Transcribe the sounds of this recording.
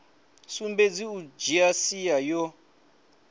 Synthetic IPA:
sumbed͡ziud͡ʒiasijajɔ

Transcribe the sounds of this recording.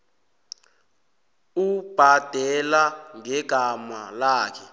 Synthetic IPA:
ub̥ʱad̥ʱɛlaŋɛɡ̥ʱama̰laːkʰɛ

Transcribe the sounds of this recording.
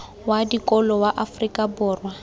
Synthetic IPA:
wadikʼɔlɔwaʔafrikʼabʊːrwa

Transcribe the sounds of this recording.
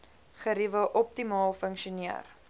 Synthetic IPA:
χəɾivəʔɔp̚timɑːlˠfəŋkʃuniər

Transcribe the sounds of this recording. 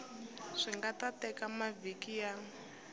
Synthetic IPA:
ʂiŋɡatatɛkamavikija

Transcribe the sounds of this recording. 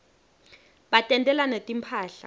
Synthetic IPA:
ɓatʼɛntʼɛlanetʼimpʰaːɬa̰

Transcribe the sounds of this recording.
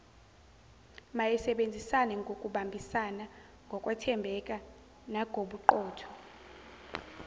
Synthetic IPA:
majɛsɛɓend͡zʱisanɛŋɡʱokʼuɓambʱisana | ŋɡʱɔkʼwatʰɛmbʱɛkʼa | naɡ̥ʱoɓuǃɔːtʰɔ̥

